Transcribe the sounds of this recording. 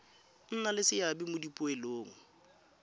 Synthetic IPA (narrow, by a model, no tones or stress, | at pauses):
n̩nalɪsɪjabɪmʊdipʼʊeloːŋ̩